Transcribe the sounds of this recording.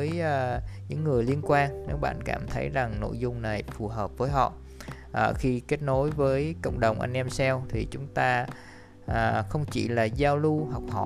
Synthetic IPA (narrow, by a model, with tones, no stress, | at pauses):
vəː˨˦jɲɨ̰˧˥ŋːɨ˨˩əjli˧ənkwaː˧nne˨˦wɓa̰ː˧˨nka̰ː˧˩mt̪ʰə˨˦jza˨˩ŋno̰˧˥˨jzʊ˧ŋ͡mna˨˩jfu˨˩ɦəː˨˩p̚vəː˨˦jɦɔ̰˧˨ | ʔəː˨˩xi˧ke˦˥t̚no˨˦jvəː˨˦jko̰˧˨wŋ͡mɗə˨˩wŋ͡mʔa̰˧jŋ̟ʔɛ˧msɛ˧wt̪ʰi˨˩t͡ɕʊ˨˦ŋ͡mt̪aː˧ | ʔːxə˧wŋ͡mt͡ɕi˧˩laː˨˩zaː˧wlu˧ɦɔ˨˩wk͡p̚hɔ̰˧˨